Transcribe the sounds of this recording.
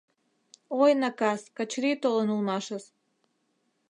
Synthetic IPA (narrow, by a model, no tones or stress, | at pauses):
ojnɑkɑskɑt͡ɕɾit̪olənulˠmɑʃəs